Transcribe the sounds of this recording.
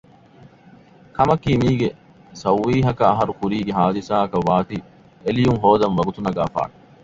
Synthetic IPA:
kʰɐmɐkiːmiːɡe | sɐwːiːɦɐkɐːɦɐɾukuɾiːɡeɦaːd̪isaːɐkɐʋːaːt̪i | elijuŋɦoːd̪ɐmʋɐɡut̪unɐɡa̰ːfa̰ːn

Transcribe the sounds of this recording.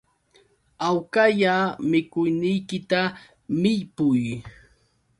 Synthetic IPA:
awkaʎamɪkʊjnɪjkɪt̪a | mɪʎpʊj

